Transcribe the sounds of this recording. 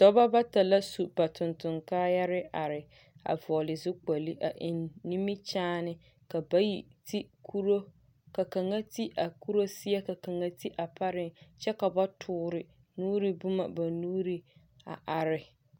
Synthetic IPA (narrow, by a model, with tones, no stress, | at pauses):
sɔ˦ba˦ba˦ta˨la˦su˨ba˨tʰʊ˨ntʊ˨ŋkaː˦ja˦ɾɪ˦ʔa˨ɾɪ˨ | a̰˨vɔ˨lɪ˨zʊ˦k͡pa˨li˦ʔa˨ʔɪ˨nːi˦mi˦t͡ʃaː˦nɪ˦ | ka˨ba˦ji˨ti˦ku˦ɾo˦ | ka˨ka˨ŋa˦ti˦ʔa˨ku˦ɾo˦sɪ˦a˦ka˨ka˨ŋa˦ti˦ʔa˨pa˦ɾɪ˦ŋt͡ʃɛ˦ka˨ba˦tʰʊː˦˨ɾɪ˨ | nuː˦ɾi˦bʊ˦ma˨ba˨nuː˦ɾi˦ | a̰˨ʔa˨ɾɪ˨